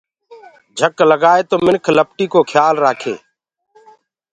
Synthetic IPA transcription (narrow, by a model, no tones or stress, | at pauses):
d͡ʒʱəkləɡaːeːt̪oːmɪnkʰləp̚ʈiːkoːkʰjaːlɾaːkʰḛː